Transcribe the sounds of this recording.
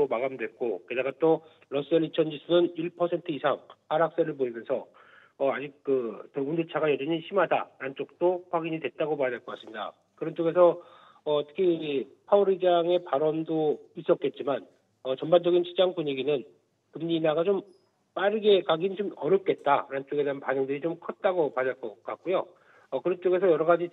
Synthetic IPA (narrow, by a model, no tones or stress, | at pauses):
omaɡamdwe̞t̚k͈okedaɡat͈o | ɭʌs͈ɯeɭːit͡ɕʰʌnd͡ʑisʰunɯniɭpʰʌsʰe̞ntʰɯisʰaŋpaɾak̚s͈eɾɯɭpoimjʌnsʰʌ | ʌad͡ʑik̚k͈ɯtɯundet͡ɕʰaɡajʌd͡ʑʌɲiɕʰimɦada̰ɾant͡ɕ͈ok̚t͈oɸwaɡiɲidwe̞t̚t͈aɡomaanaɭk͈ʌk͈as͈ɯmɲida̰ | kɯɾʌnt͡ɕ͈oɡe̞sʰʌ | ʌtʰɯ̥kʰipʰauɾid͡ʑaŋe̞paɾʌndois͈ʌt̚k͈e̞t̚t͡ɕ͈iman | ʌt͡ɕʌmband͡ʑʌɡint͡ɕʰid͡ʑaŋpuɲiɡinɯn | kɯmɲinaɡat͡ɕom | p͈aɾɯɡe̞kaɡint͡ɕomʌɾjʌp̚k͈e̞t̚t͈a̰ɾant͡ɕ͈oɡe̞deɯnpanɯŋdɯɾit͡ɕomkʰʌt̚t͈aɡopaɲaɭk͈ʌk͈ak̚k͈ojo | ʌkɯɾʌnt͡ɕ͈oɡe̞sʰʌjʌɾʌɡad͡ʑi